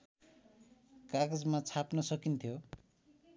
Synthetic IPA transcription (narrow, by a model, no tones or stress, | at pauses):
kaɡʌd͡zmat͡sʰapnʌsʌkint̪ʰjo